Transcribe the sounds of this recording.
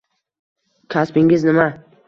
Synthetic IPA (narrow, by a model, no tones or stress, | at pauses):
kʲʰaspɪŋɪznɪma